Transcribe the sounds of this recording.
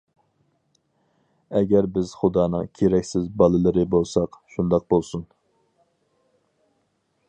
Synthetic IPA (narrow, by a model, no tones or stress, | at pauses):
ɛɡʲæɾbɪz̥χʊd̪ɑːnɨ̰ŋkʲʰeɾɛkʲsɪzbɑlˠɨlˠɨɾɨbolˠsɑqʃund̪ɑq̚bolˠsun